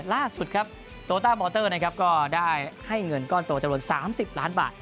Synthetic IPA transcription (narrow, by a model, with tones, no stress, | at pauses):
laː˥˩su˨˩t̪̚kʰa˦˥p̚ | t̪oː˧t̪aː˥˩bɔː˧t̪ɤː˥˩na˦˥kʰa˦˥p̚kɔː˥˩daː˥˩jha˥˩jŋɤ˧nkɔː˥˩nt̪u˧ɐt͡ɕa˧ɾu˨˩ən̚saː˩˦msi˨˩p̚laː˦˥nba̰ː˨˩t̪̚